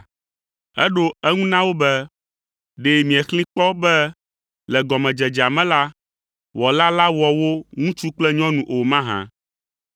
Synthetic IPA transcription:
ɛ̰˦ɖo˦ɛ˦ŋũ˦nã˦wo˦bɛ˦ | ɖe˨mĩ˨ɛ˨xlĩ˦k͡pɔ˦bɛ˦ | lɛ˨ɡɔ˨mɛ̃˨d͡ʒɛ˨d͡ʒa˨mɛ̃˦la˦ | wɔ˨la˦la˦wɔ˨wo˦ŋũ˦t͡ʃu˦k͡plɛ˦ɲɔ̃˦nũ˨ʔo˨mã˦ɦã̰˨

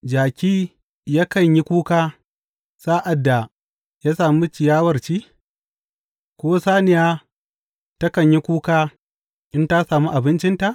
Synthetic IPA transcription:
d͡ʒaː˨kʲiː˦ | ja˦kɐ˨ɲji˦kʷuː˦kaː˦ | saː˦ʔa˨dːa˨ | jaː˦saː˨mu˦t͡ʃɪ˨jaː˦wɐ˨rt͡ʃiː˦ | kʷoː˦saː˦nɪ˨jaː˦ | tɐ˦kɐ˨ɲji˦kʷuː˦kaː˦ | ʔɪ˦nta˦saː˨mu˦ʔa˨bɪ˦nt͡ʃɪ˦nta˨ʔ

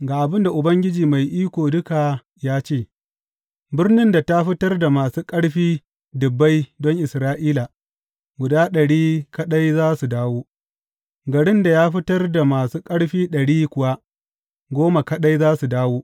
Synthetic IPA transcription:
ɡaː˨ʔa˨bɪ˦nda˨ʔʊ˨bɐ˦ŋɡʲɪ˦d͡ʒiː˨ma˨jʔiː˦kʷoː˨dʊ˦ka˨ | jaː˦t͡ʃeː˦˨ | bɪ˦rnɪ˦nda˨ta˦ɸɪ˦tɐ˦rda˨maː˨suː˦kʼɐ˦ɽɸiː˦ | dʊ˨bːa˦jdɔ˦ŋʔɪ˨sɾaː˦ʔiː˦la˨ | ɡʷʊ˨daː˦ɗɐ˨ɽiː˦kɐ˦ɗa˦jzaː˦su˨daː˦woː˦ | ɡɐ˨ɽɪ˦nda˨jaː˦ɸɪ˦tɐ˦rda˨maː˨suː˦kʼɐ˦ɽɸiː˦ɗɐ˨ɽiː˦kʷʊ˨wa˦ | ɡʷoː˦ma˨kɐ˦ɗa˦jzaː˦su˨daː˦woː˦

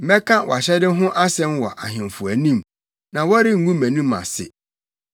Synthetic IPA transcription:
m̩˨˦bɛ˦kʰã˦wɔ̰˨a˨ɕɛ˦dɪ˦ɦʊ̃˦ʔa˦sɛ̃˦mwɔ˨ʔa˨ɦɪ̃˨m˨fʊ˨æ˨nĩ˦˨m | nã˨wɔ˦ɾɪ˦ŋ̩˦ɡũ˦mæ̃˨nũ˦ma̰˨sɪ̰˨

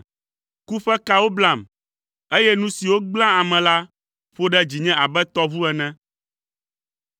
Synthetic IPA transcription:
ku˦ɸɛ˦ka˦wo˦blã˦˨m | e˦jɛ˦nũ˦si˨wo˦ɡ͡blã˦a˨mɛ̃˨la˦ | ɸo˦ɖɛ˦d͡ʑi˨ɲɛ̃˦a˨bɛ˦t̪ɔ˦vu˦ɛ˨nɛ̃˦

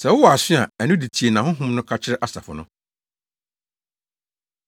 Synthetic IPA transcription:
sɛ˨wʊ˦wɔ˨a˨sɪ˦a˨ɛ˨nʊ̃˦di˨tʰi˨e˨nã˨ɦʊ̃˦ɦʊ̃˦mnʊ̃˦kʰa˦t͡ɕʰɪ˦ɾʔa˦sa̰˨fʊ˨nʊ̃˦

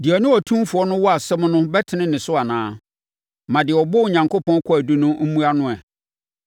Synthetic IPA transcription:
dɪ˨æ˨nʊ̃˦ɔ˨tʰũ˦fʊ˨ɔ˦nʊ̃˦wɔ˦a˨sɛ˦m˦nʊ̃˦bɛ˦tʰɪ˨nɪ̃˦nɪ̃˨sʊ˦a˨nãː˦ | mã˨dɪ˨ɛ˨ɔ˨bɔ˦˨ɲã˨ŋko˦pʰɔ̃˦kʰɔ˦æ˨du˦nʊ̃˦m̩˦mũ˦a˦nʊ̃˦ɛ˨

